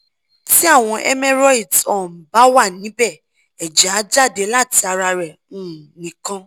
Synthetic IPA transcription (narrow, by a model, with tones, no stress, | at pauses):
ti˦a˦˨w̃ɔ̃˧ʔɛ˦mɛ˦ɾɔ˦i˨dɔ˨m̩˨ba˨˦wa˦˨nĩ˨˦bɛ˦˨ | ɛ˨d͡ʒa˨˦d͡ʒa˦˨de˨˦la˦˨ti˧a˧ɾa˧ɾɛ˨ | ũ˨nĩ˨kã˧